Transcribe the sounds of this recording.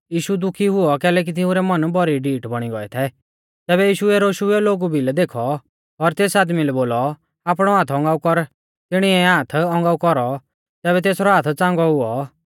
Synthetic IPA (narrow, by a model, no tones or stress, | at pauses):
jiːʃud̪ʊkʰiɦʊɔkɛːlɛːk̬it̪ɪũɾɛmɐnbɔɾiɖiːʈbɐɽ̃iɡɔɛt̪ʰɛ | t̪ɛːβɛjiːʃuɛɾoːʃuɛloːɡubʱilɛd̪eːkʰɔ | ɔɾt̪eːsaːd̪milɛboːlɔ | aːpɽ̃ɔãːt̪ʰɔ̃ŋɡaːukɔɾ | t̪ɪɽ̃iɛãːt̪ʰɔ̃ŋɡaːukɔɾɔ | t̪ɛːβɛt̪eːsɾɔɦaːt̪ʰt͡sãːŋɡɔɦʊɔ